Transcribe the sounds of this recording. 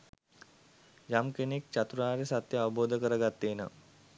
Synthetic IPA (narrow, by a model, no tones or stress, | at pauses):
jamkenek̚t͡ʃat̪ɾunaːɾesat̪jəaʋəboːd̪ʱəkəɾəɡat̪ːeːnə̰